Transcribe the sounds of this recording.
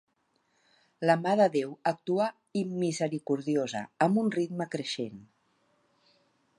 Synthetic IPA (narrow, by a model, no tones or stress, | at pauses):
ləmaðəðewək̚t̪uə | imːizəɾikuɾðiozə̰əmbunrid̪məkɾəʃḛn